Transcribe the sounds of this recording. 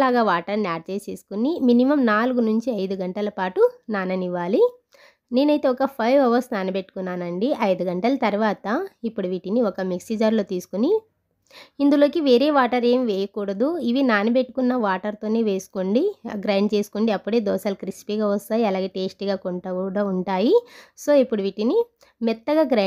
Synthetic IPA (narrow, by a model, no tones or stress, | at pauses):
laːɡaːʋaːʈɐɾniaːɾ̚t͡ʃeːseːsu̥kuniminimɐmnaːluɡunuɲt͡ʃiɐjd̪uɡɐɳʈɐlɐpaːʈunaːnɐniʋːaːli | ne̞ːnɐjt̪e̞ːɔkɐpʰɐjʋɐʋɐɾsnaːnɐbe̞ʈːu̥kunːaːnɐɳɖiʔɐjd̪uɡɐɳʈɐlɐt̪ɐɾuʋaːt̪ɐipːuɽuʋiʈiniɔkɐmiksid͡ʒaɾloːt̪iːsu̥kuni | ind̪ulo̞ːkiʋe̞ːɾe̞ːʋaːʈɐɾe̞ːmʋeːjɐkuːɽɐd̪uiʋinaːnibeʈːu̥kunːɐʋaːʈɐɾt̪o̞ːneːʋe̞ːsu̥koɳɖiɡɾaːɳɖt͡ʃe̞ːsu̥kuɳɖiɐpːuɽeːd̪ɔːsɐlɐkɾispiːɡaust̪aːjiɐlaːɡeːʈeːsʈɡaːkoɳʈɐɽɐuɳʈaːjiso̞ːipːuɽuʋiʈini | mɛt̪ːɐɡaːɡɾa